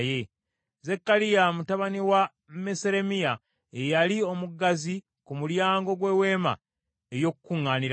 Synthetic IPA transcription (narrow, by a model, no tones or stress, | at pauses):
je | zekːalijamutaβaniwa | meseɾe̞mija | ejalio̞muɡazi | kumuljaːŋɡo̞ɡwe̞ːwe̞ːma̰ | ejo̞kukuŋːaːniɾ